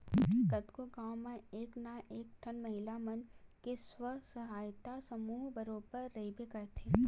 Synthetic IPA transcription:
ɡɐt̪koɡaːwmẽeːknaʔeːk̚ʈʰɐnmɐɦɪlamɐnkeswəsɐɦaːjt̪asɐmuːɦbɐɾoːpəɾːɐɦibekɐɾt̪ʰeː

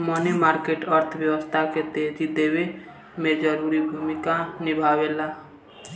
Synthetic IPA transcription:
mənemaːɾkeʈəɾt̪ʰbjəwəst̪ʰaket̪eːd͡ʒid̪eːwe | med͡ʒəɾuːɾibʱumikanɪbʱaːwela

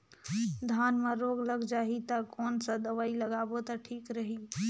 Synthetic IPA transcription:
d̪ʱaːnmẽɾoːɡləɡd͡ʒaːɦit̪ɐkoːnsə̃d̪əʋaːiləɡaːbot̪əʈʰiːkɾəɦi

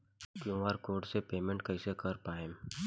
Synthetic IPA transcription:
kjõʋaːɾkoːɾʈsepeːmẽɳʈkɐɪsekɐɾpaːẽm

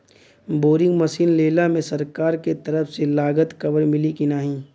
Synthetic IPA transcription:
boːɾɪ̃ŋɡmɐsiːnleːlamẽsɐɾkaːɾket̪ɐɾəfʰselaːɡət̪kɐbəɾmɪlikinaːɦĩ

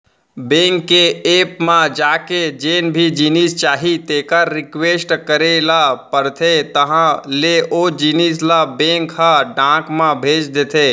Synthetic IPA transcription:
bẽːŋkːeeːpmãd͡ʒaːked͡ʒeːnbʱid͡ʒinist͡ʃaːɦit̪eːkaːɪkweːsʈkəɾelapəɾt̪ʰet̪əɦãleʔod͡ʒiːnislabẽːŋkɦaɖãːkmãbʱeːt͡ʃd̪eːt̪ʰe

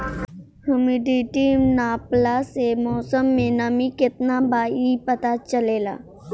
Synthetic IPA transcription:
həmiɖiʈiːmnaːplasemɔːsəmːẽnamikɪt̪nabaːipət̪at͡ʃəleːla̰ː

